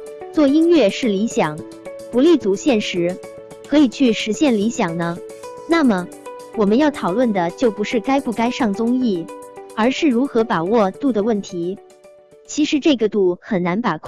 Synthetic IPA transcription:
t͡swɔ˥˩i˥nɥɛ˥˧ʂɻ̩˥˩li˧˥ɕjɑ˨˩˦ŋ | pu˧˥li˥˩t͡su˧˥ɕjɛ˥˩nʂɻ̩˧˥ | kʰɤ˧˥i˨˩t͡ɕʰy˥˩ʂɻ̩˧˥ɕjɛ˥˩nli˧˥ɕjɑ˨˩ŋnə˦ | na˥˩mə˩ | wɔ˨˩mə˦njɑ˥˩ʊt̪ʰɑ˨˩ʊlwə˥˩nd̪ə˩t͡ɕjo˥˩ʊpu˧˥ʂɻ̩˥˩ka˥ɪpu˥˩ka˥ɪʂɑ˥˩ŋt͡sʊ˥ŋi˥˩ə˞˧˥ʂɻ̩˥˩ɻu˧˥xɤ˧˥pa˨˩wɔ˥˧t̪u˥˩d̪ə˩wə˥˩nt̪ʰi˧˥ | t͡ɕʰi˧˥ʂɻ̩˧˥ʈ͡ʂɤ˥˩ɡə˩t̪u˥˩xə˨˩nna˧˥npa˨˩kʰ

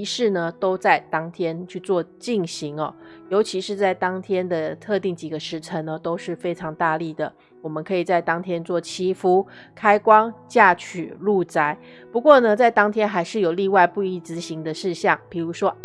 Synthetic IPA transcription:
i˧˥ʂɻ̩˥˩nə˨˩t̪o˥ʊt͡sa˥˩ɪt̪ɑ˥ŋt̪ʰjɛ˥nt͡ɕʰy˥˧t͡swɔ˥˧t͡ɕi˥˩ŋɕi˧˥ŋɐ˨jo˧˥ʊt͡ɕʰi˧˥ʂɻ̩˥˧t͡sa˥˩ɪt̪ɑ˥ŋt̪ʰjɛ˥nd̪ə˨t̪ʰɤ˥˧t̪i˥˩ŋt͡ɕi˨˩ɡə˩˦ʂɻ̩˧˥ʈ͡ʂʰə˧˥ŋnə˧t̪o˥ʊʂɻ̩˥˩fe˥ɪʈ͡ʂʰɑ˧˥ŋt̪a˥˧li˥˩d̪ə˩ | wɔ˨˩mə˨˦nkʰɤ˧˥i˨˩t͡sa˥˩ɪt̪ɑ˥ŋt̪ʰjɛ˥nt͡swɔ˥˩t͡ɕʰi˥fu˥ | kʰa˥ɪkwɑ˥ŋt͡ɕja˥˩t͡ɕʰy˨˩lu˥˧˩t͡sa˥ɪ | pu˧˥kwɔ˥˩nə˨t͡sa˥˩ɪt̪ɑ˥ŋt̪ʰjɛ˥nxa˧˥ɪʂɻ̩˥˩jo˨˩ʊli˥˧wa˥˧ɪpu˥˧i˥˩t͡sɹ̩˧˥ɕi˧˥ŋd̪ə˧ʂɻ̩˥˧ɕɑ˥˩ŋpi˨˩ɻu˧˥ʂwɔ˥

